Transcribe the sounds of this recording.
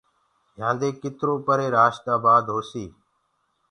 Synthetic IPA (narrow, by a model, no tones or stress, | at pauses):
jãːnd̪eːkɪt̪ɾoːpəɾeːɾaːʃt̪aːbaːd̪ɦoːsiː